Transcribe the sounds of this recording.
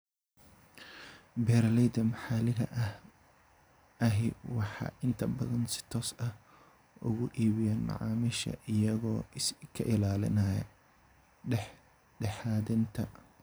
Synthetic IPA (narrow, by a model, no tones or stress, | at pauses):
bɛːɾlɛjd̪ɐmħɑːlɪɣɐ̰ʔɐh | ʔɐɦɪwɑħɑ̰ːʔɪnt̪ʰɐbɐðɐnsɪ̥t̪ʰɔːsɐh | ʔʊ̰ɣʊʔiːβɪjaːnmɑ̰ʕɑ̰ːmiʃɐ̰ʔɪjɐɣɔːkʰɐ̰ʔɪlaːlɪ̰nɐjɐ̰ | ɖɛħaːðɪnt̪ʰɐ̰